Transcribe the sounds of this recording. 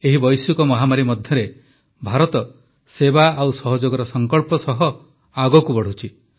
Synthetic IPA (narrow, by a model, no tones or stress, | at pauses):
eɦibɔjsukɔmɔɦamaɾimɔd̪ʱjɔɾe | bʱaɾɔt̪ɔ | sebaawsɔɦɔd͡ʒoɡɔɾɔsɔŋkɔɭpɔsɔɦɔ | aɡɔkubɔɽ̤ut͡ʃʰi